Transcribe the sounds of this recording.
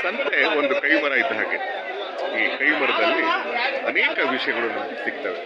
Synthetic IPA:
sɐnt̪eond̪ukɐjʋɐɾaːjt̪uɦa̰ːɡe | iːkɐjʋɐɾɐd̪ɐlːiɐneːkɐʋiʂɐjɐɡɐɭunu | siɡ̚t̪aːʋe

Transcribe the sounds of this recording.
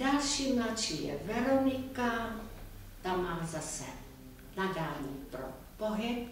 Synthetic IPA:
daʃinat͡ʃiɛ̰vɛɾonika | d̪amazasɛ̰ | nadanipɾo̰ | poɦɛt̪̚

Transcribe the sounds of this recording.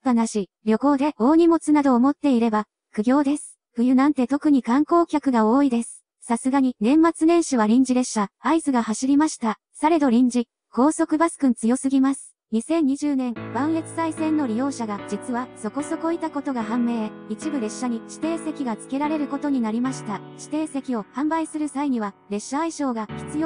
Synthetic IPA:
banaɕi | ɾʲjo̞ko̞ːd̪e̞o̞ːɲ̟imo̞t͡sɨnad̪o̞ːmo̞t̪ːe̞iɾe̞ba | kɯ̟ɡʲo̞ːd̪e̞sɨ̥ | ɸɯ̟jɯ̟nãnt̪e̞t̪o̞kɯ̟ɲ̟ikãŋko̞ːkʲakɯ̟ɡao̞ːid̪e̞sɨ̥ | sasɨɡaɲ̟inẽ̞mːat͡sɨnẽ̞ɰ̃ɕiβaɾʲĩɲ̟d͡ʑid̪e̞ɕaaizɨɡahaɕiɾʲimaɕi̥t̪a | saɾe̞d̪o̞ɾʲĩɲ̟d͡ʑi | ko̞ːso̞kɯ̟basɨ̥kɯ̟̃nt͡sɨjo̞sɨɡʲimasɨ̥ | ɲ̟isẽ̞ɲ̟ːiʑɨːnẽ̞ŋbãɰ̃e̞t͡sɨ̥saisẽ̞nːo̞ɾʲijo̞ːɕaɡad͡ʑit͡sɨβaso̞ko̞soko̞it̪ako̞t̪o̞ɡaɦãmːe̞ːit͡ɕibɯ̟ɾe̞ɕːaɲ̟iɕi̥t̪e̞ːse̞kʲiɡat͡sɨ̥ke̞ɾaɾe̞ɾɯ̟ko̞t̪o̞ɲ̟inaɾʲimaɕi̥t̪aɕi̥t̪e̞ːse̞kʲio̞hãmbaisɨɾɯ̟saiɲ̟iβ̞aɾe̞ɕːaːiɕo̞ːɡaçʲi̥t͡sɨjo

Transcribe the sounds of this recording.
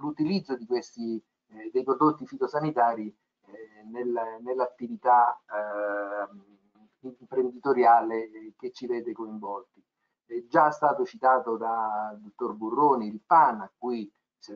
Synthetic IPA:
lut̪ilid̪zːod̪ikwest̪i | d̪ejpɾod̪ot̪ːifit̪osanit̪aːɾi | nelnelːat̪ːivit̪a | mpɾend̪it̪oɾjaːleket͡ʃːivɛːd̪ekoiɱvɔlt̪i | d͡ʒast̪aːt̪ot͡ʃit̪aːt̪od̪ad̪ot̪ːorburːoːnilpanːakːwi | s

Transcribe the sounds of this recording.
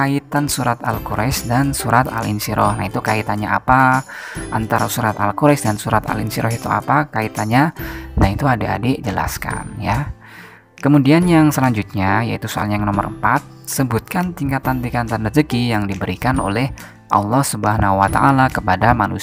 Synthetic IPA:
kait̪ansuɾat̪alkoɾʔɛsdansuɾʔat̪a̰linsiɾɔhnait̪ukait̪anɲaʔa̰paʔant̪aɾasuɾat̪alkuɾɛsdansuɾat̪a̰linsiɾɔhit̪ua̰pakait̪anɲanait̪uadaa̰ded͡ʒəla̰ska̰nja | kəmudianjaŋsəlaɲd͡ʒut̪̚ɲaja̰it̪usoa̰lɲajŋnomə̰ɾəmpat̪̚səbut̪̚kant̪iŋkat̪ant̪iŋkant̪anad͡ʒəkijaŋdibəɾikano̰lɛh | ʔɑ̰lˠːɔhsubaɦanawat̪aʔalakəpadamanṵs

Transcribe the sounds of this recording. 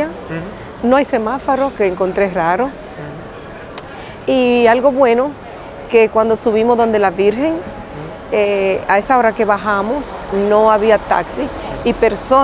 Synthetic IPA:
a | noajse̞mafoɾokeːŋko̞nt̪ɾeraɾo̞ | ialɣo̞βwe̞no̞ | ke̞kwand̪o̞suβimo̞zðo̞nd̪e̞laβiɾxe̞ŋ | eaesao̞ɾake̞βaɦamosnoaβiat̪a̰ksiː | pe̞ɾso

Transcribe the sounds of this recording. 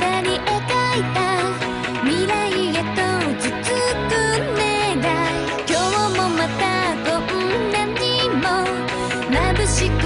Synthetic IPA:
t̪aɲiʔokait̪a | mʲiɾaiet̪od͡ʑit͡sɨkɯmed̪a | kʲoomomat̪aɡohɯnãɲɲimo | nabɯɕik

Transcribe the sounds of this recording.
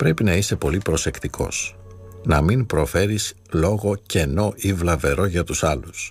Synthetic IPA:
pɾe̞pinɐist̪e̞po̞lipɾo̞se̞kt̪ikʰo̞̰s | nɐminpɾo̞fe̞ɾis | lo̞ɣo̞ce̞no̞ʔivlɐve̞ɾo̞ʝɐt̪usɐlus

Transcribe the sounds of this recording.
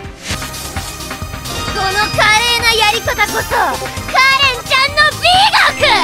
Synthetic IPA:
sonokaɾe̞ːnajaɾʲikat̪ako̞sokaɾẽɲt͡ɕãnːobʲiɡokɯ

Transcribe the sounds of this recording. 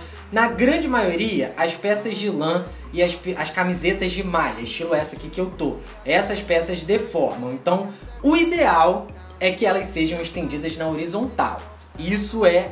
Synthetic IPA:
nɐɡɾɐ̃d͡ʒɪmajoɾiɐʔɐʃpɛsɐzd͡ʒɪlɐ̃ | ɪɐʃpɐskamizet̪ɐzd͡ʒɪmaʎɐɪʃt͡ʃilʊɛsɐkikɪewt̪o | ɛsɐspɛsɐzd̪efɔɾmɐ̃w̃ẽnt̪ɐ̃w̃ʊid̪eaw | ɛkɪɛlɐsseʒɐ̃w̃ɪʃt̪ẽnd͡ʒid̪ɐznɐoɾizõnt̪a̰w | isʊɛ

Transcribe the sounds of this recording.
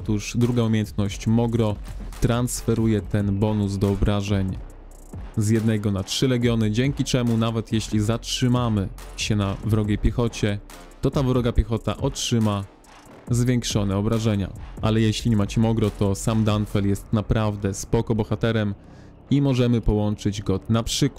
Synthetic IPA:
ɔt̪uʐd̪ɾuɡaumʲjejɛnt̪nɔɕt͡ɕmɔɡɾɔt̪ɾansfɛɾujɛt̪ɛnbɔnusd̪ɔɔbɾaʐɛɲ | zjɛd̪nɛɡɔnatʂɘɾɛɡʲjɔnɘd͡ʑɛŋkʲit͡ʂɛmunavɛt̪jɛɕlʲizatʂɘmamɘɕɛnavɾɔɡʲepʲjɛxɔt͡ɕɛ | t̪ɔt̪avɾɔɡapʲjɛxɔt̪a̰ʔɔtʂɘma | zvʲjɛŋkʂɔnɛɔbɾaʐɛɲa̰alɛjɛɕlʲiɲɛmat͡ɕɛmɔɡɾɔt̪ɔsamd̪anfɛljɛst̪napɾavd̪ɛspɔkɔbɔxat̪ɛɾɛm | imɔʐɛmɘpɔwɔnt͡ʂɘd͡ʑɡɔnapʂɘk

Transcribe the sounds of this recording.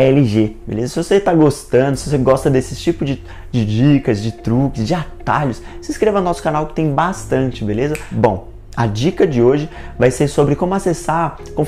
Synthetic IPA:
ɛlɪʒebḛlezɐsɪvoset̪aɡost̪ɐ̃nd̪ʊsɪvoseɡɔst̪ɐd̪esɪt͡ʃipʊzd͡ʒɪ | d͡ʒɪd͡ʒikɐzd͡ʒɪt̪ɾukɪszd͡ʒɪat̪a̰ʎʊsseiskɾevɐnɔsʊ̥kanawkɪ̥t̪ẽj̃bast̪ɐ̃t͡ʃɪbelezɐbõw̃ | ɐd͡ʒikɐd͡ʒɪoʒɪvajseɾsobɾɪkõmʊasesaɾ | kõmʊ

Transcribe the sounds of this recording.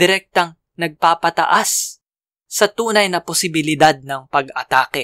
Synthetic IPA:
d̪ɪɾɛk̚t̪ɐŋ | nɐɡ̚paːpɐt̪ɐ̰ʔasː | ɐt̪uːnɐjnɐposɪbɪlɪd̪ad̪̚nɐŋpɐɡɐt̪aːkɛ

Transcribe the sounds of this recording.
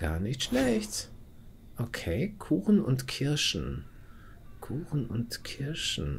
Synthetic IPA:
ɡ̥a̰ːɐnɪçtʃlɛççt | ʔokʰeːkʰuːxn̩ʊ̰ntkʰɪɐʃn̩ | kʰuːxn̩ʊntkʰɪɐʃn̩

